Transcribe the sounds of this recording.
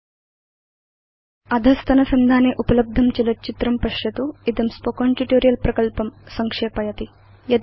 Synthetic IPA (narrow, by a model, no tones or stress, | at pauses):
ɐd̪ʱɐst̪ʰɐnɐsɐnd̪ʱaːneːʔupɐlɐb̚d̪ʱɐmt͡ʃilɐt͡ʃit̪ɾɐmpɐʂjɐt̪uid̪ɐmspokoːɳʈiʈoːɾijɐlpɾɐkɐlpɐmsɐŋkʂeːpɐjɐt̪i | jɐd̪